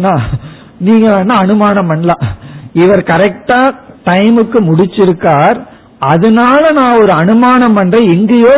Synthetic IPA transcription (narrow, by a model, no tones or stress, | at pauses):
nːaː | niːŋɡɐʋeːnːaːɐnɯmaːnɐmɐnlaːɪʋɐɾkɐɾɛk̚ʈaːʈɐɪmɯkːɯmʊɽɪt͡ʃːɪɾɯkːaːɾ | ɐðɐnaːlɐnãːɔɾɯɐnɯmaːnɐmɐndrɐɪɪŋɡɐjoː